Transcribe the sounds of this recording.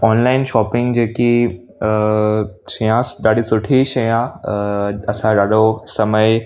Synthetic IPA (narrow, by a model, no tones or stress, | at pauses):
ɔːnlaːɪnʃɔːpɪ̃ŋɡd͡ʑeːki | ʃɐjãɗ̪aːɽisʊʈʰiʃɐjã | ɐsãɾaːɗosɐməɪ